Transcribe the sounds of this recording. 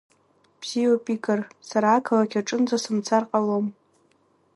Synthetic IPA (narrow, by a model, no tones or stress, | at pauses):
b̥z̥iopʼikʼarsaɾaːkʰalakʲʰaʈ͡ʂʼɨnd͡zasɨmt͡sʰarqʼalom